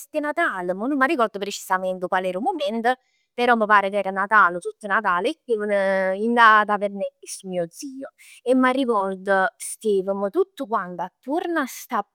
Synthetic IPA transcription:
st̪enat̪aːləmənumːarːikɔrd̪əpɾet͡ʃi̥samɛnt̪əpalɛɾumumɛnt̪ə | peɾɔmːəpaːɾət̪ɛːɾanat̪aːlət̪ut̪ːənat̪̬aːlekːivənəind̪aːt̪̬apeɾnɛismiːod̪ziːo | emːarikɔrd̪əst̪eːvəmət̪ut̪ːukwant̪at̪ːuɾnast̪a

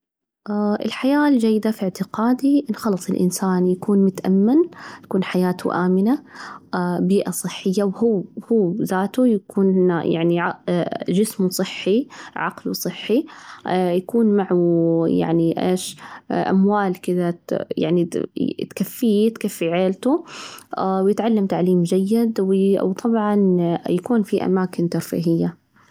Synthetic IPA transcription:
ʔʔɪ̰lħajaːld͡ʒajːɪd̪afɪʕt̪ɪqaːd̪iʔnxɑlɑsˤɪlʔɪ̰nsaːnjakuːnmʊt̪ʔa̰mːɪnt̪ḁkuːnħajaːt̪ʰʊ̰ʔaːmɪla | biːʔasˤɨħːɪjːawhuːhuːzaːt̪ujakʰuːnja̰ʕniʕad͡ʒɪsmsˤɨħːiʕɑ̰qlwsˤɨħːi | jakuːnmaʕuja̰ʕniʔḛːʃʔa̰mwaːlkɪd̪aja̰ʕnit̪kafːiːt̪kafːiʕeːlt̪u | wjɪt̪ʕalːamt̪aʕliːmd͡ʒajːɪd̪wwt̪ˤʰɑbʕɑnjakuːnfiʔa̰maːkɪnt̪ɑɾˤfḭːɦɪjːa

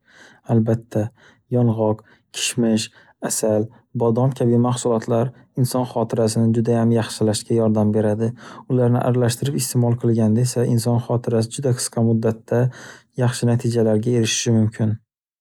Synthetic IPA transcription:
albat̪ʰːa | jɒnʁɒq | kʲʰɪ̥ʃmɪʃ | asal | bɒd̪ɒmkʲʰabimaχsʊlˠɒt̪ʰlaɾ | ɪnsɒnχɒt̪ʰɪɾasɪnɪd͡ʒʊd̪ajamjɑχʃɪlaʃkʲajɒɾd̪ambe̞ɾad̪ɪʊlaɾnɪ̰ʔa̰ɾalaʃt̪ɪɾɪpɪst̪ʰemɒlˠqʰɨlˠɡʲand̪aesaɪnsɒnχɒt̪ʰɪɾas̬ɪd͡ʒʊd̪aqʰɨ̥sqʰɑmʊd̪ːat̪ːajɑχʃɪnat̪ʰid͡ʒalaɾɡʲae̞ɾɪʃɪ̥ʃɪmʊmkʲʰɪn

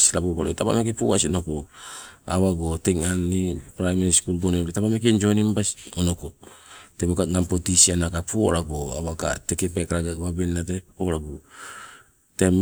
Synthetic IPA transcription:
sɾabukoɾotapa̰mek̬epuwasionopoaβaɡoteŋanːipɾajmaɾiskulɡoneɾetapamek̬end͡ʒonimbasonokotemokaŋampotisianakapooɾaɡoa̰βaka̰tekepekaɾaɡaβabenːatepoɾaɡo | tem

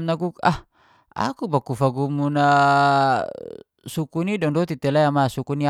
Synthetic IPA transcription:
mnaɡuka̰h | a̰kubakufaɡumuna | sukunidɔŋdɔt̪it̪ɛlajamasukunia

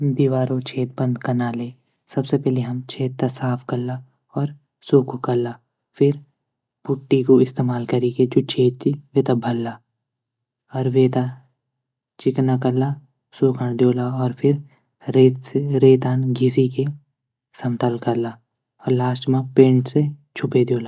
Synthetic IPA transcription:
d̪iːʋaːɾõt͡ʃʰeːt̪̚bə̃nd̪kɐnaːleː | sɐbsepɛːɦleɦɐmt͡ʃʰeːt̪ːasaːpʰkɐɾla | ɔːɾ | suːkʰkɐɾlaː | fʰɪɾ | pʊʈːikoɪst̪eːmaːlkɐɾiket͡ʃʊt͡ʃʰeːt̪t͡ʃiʋeːt̪abʱɐlːaː | ɔːɾʋeːt̪a | t͡ʃɪknakɐla | suːkʰəɳd̪joːlaɔːɾpʰɪɾ | ɾeːt̪seɾeːt̪aːnɡʱɪsike | sɐmt̪əlkɐɾla | ɔːɾlaːsʈmãpẽːɳʈset͡ʃʰʊped̪oːlaː

